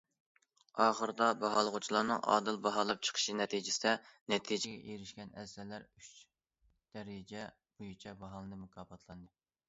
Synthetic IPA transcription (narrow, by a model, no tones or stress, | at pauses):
ɑːχəɾɨd̪ɑbɑɦɑlˠəʁut͡ʃʰilˠɑːnɨŋʔɑ̰ːd̪ɨlˠbɑɦɑlˠɑp̚t͡ʃʰə̥qʰə̥ʃinɛt̪ʰid͡ʒɪsɪd̪ɛnɛt̪ʰid͡ʒɪɡʲɛʔeɾɪʃkʲɛnɛslːæɾyt͡ʃ | d̪̥ɛɾɪd͡ʒɛ | b̥ojut͡ʃʰɛbɑɦɑlˠɨnɨmukʰɑːbɑt̪ʰlˠɑnd̪ɨ